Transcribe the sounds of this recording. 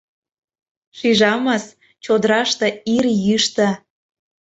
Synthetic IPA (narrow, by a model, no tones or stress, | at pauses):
ʃiʒɑmɑs | t͡ɕod̪ɾɑʃt̪ɤ̆irjyʃt̪ə̆